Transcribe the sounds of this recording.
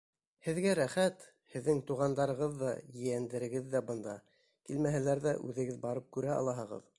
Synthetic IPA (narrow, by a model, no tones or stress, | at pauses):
hɘ̆ðɡæɾæχæt̪ | hɘ̆ðːɘŋt̪uʁɑnd̪ɑɾɤ̆ʁɤðːɑjɘ̆jænd̪ɘ̆ɾɘ̆ɡɘðːæbɤ̆nd̪ɑ | kilmæɦælæɾðæʔʉðɘ̆ɡɘðbɑɾɤp̚kʉɾæɑ̰lˠɑɦɤ̆ʁɤ̰ð